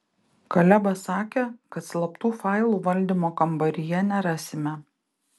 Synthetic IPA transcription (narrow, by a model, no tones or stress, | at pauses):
kɐlʲɛbɐsɑːkʲeːkɐt̪slˠɐpt̪uːfɑˑɪlˠuːʋɐlʲd̪ʲimoːkɐmbɐɾʲɪjɛnʲɛɾɑːsʲɪmʲɛ